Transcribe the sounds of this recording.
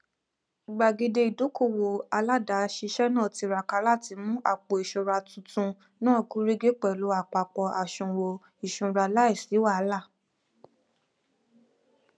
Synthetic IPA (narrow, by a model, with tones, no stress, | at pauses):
i˨ɡ͡ba˨ɡe˧de˧i˨do˨˦ko˦˨wo˨a˧la˦da˨˦ʃi˧ʃɛ˦nã˦˨ti˧ɾa˨ka˧˦la˦˨ti˨˧˦mũ˦ʔa̰˦˨k͡po˨i˨ʃũ˨ɾa˧tũ˨˧˦tũ˧ | nãː˦˨ɡu˦ɾi˦ɡe˦k͡pɛ˨lu˨˦a˦˨k͡pa˨k͡pɔ˧a˨ʃũ˨wo˧ | i˨ʃũ˨ɾa˧la˦i˦˨si˨˦wa˦˨˦la˦˨